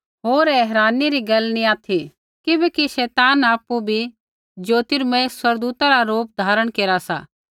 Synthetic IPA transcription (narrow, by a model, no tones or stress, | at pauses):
ɦoːɾɛɦɾaːniɾiɡɐlnĩaːt̪ʰi | kɪbɛkiʃɛːt̪aːnaːpubʱi | d͡ʒoːt̪ɪɾmɛ̃swɐɾd̪uːt̪aɾaɾoːp̚d̪ʱaːɾəɽ̃keːɾasa̰ː